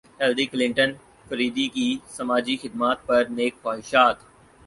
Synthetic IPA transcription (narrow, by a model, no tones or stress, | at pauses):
hɛːlɾiklɪ̃ɳʈən | fɐɾiːd̪ikisɐmaːd͡ʒixɪd̪̚maːt̪̚pɐɾneːkfaːɪʃaːt̪